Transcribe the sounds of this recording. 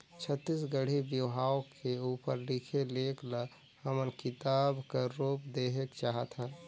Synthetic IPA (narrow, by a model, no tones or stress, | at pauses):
t͡ʃʰət̪ːisɡəɽ̤ibjiʋɦaːwkʰːeuːpəɾlikʰeleːkʰlə | həmənkɪt̪aːbkaɾoːp̚d̪eɦekt͡ʃaːɦət̪ɦɛ̃ː